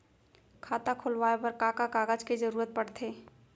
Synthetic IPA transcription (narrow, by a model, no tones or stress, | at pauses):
kʰaːt̪akʰʊlwaːepəɾkaːkakaːɡəd͡ʒked͡ʒəɾuːɾət̪̚pəɽt̪ʰeː